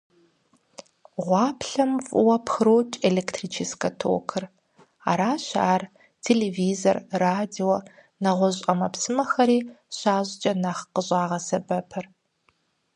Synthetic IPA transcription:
ʁʷɑːpʰɬɐmvʊwɐpʰxɨɾoːt͡ʃʼelektʰriːt͡ʃʰiskʰɐtʰo̰wkʰɨr | a̰ːɾaːɕaːr | tʰeleːviːzorːaːdiɔ | nɐʁʷɔɕʼɐmɐpsɨmɐxɐɾiːɕaːʑt͡ʃʼɐnaχqəɕʼaːʁɐsɐbɐpʰɐr

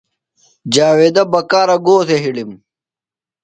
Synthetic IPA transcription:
d͡ʑaːwed̪ɐbɐkaːɾɐɡoːt̪eɦiɽim

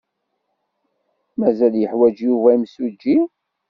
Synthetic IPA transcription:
mæzæljəħwæd͡ʒjuvæimsud͡ʒːi

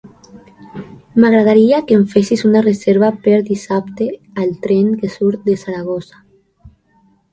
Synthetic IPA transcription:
maɣ̞ɾað̞aɾiakeɱfesisunarezeɾβapeɾd̪isapt̪e | alt̪ɾeŋkesuɾt̪̚d̪esaɾaɣ̞ozḁ

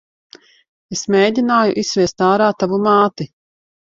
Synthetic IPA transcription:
esmʲeːd̪ʲinaːjṵʔissvʲiɛst̪aːɾaːt̪avumaːt̪i

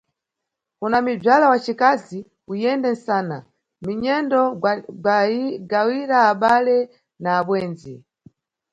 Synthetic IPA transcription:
kunamib͡ʐalawat͡ʃikazi | ujɛndɛnsaːna | miɲɛndɔɡɡawiɾaːɓalɛ | naːɓwɛːnd͡zi

